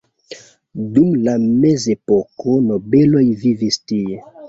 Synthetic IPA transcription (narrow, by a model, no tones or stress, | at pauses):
dumlamezepokonobelo̞jvivistie